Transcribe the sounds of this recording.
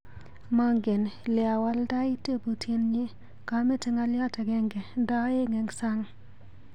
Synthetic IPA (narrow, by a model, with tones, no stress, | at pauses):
ma˦ŋɡe˨nlɪ˨a˨wa˦lda˦i˦te˦bu˨tʰje˦nɲɪ˦ | ka˦me˦tɪ˦ŋa˦lja˦tɛ˨ɡɛ˦ŋɡe˨da˦e˦ŋɛ˨ŋsa˦ŋ